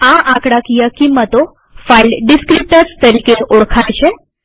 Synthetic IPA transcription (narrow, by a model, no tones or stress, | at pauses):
ãʔãkɽakijəkimːət̪o | failɖɖiskɾip̚ʈəst̪əɾikeoɽkʰajt͡ʃʰe